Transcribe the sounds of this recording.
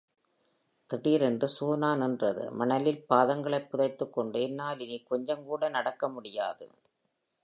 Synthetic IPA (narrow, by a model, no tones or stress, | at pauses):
t̪ɪɽiːɾɛndrɯsoːnaːnɛndrɐðɯ̰mɐnɐlɪlpaːðɐŋɡɐɭɐɪpːʊðɐɪt̪ːɯkːɔɳɖɯɛnːaːlɪnikɔɲd͡ʒɐmkuːɽɐnɐɽɐkːɐmʊɽɪjaːðɯ̰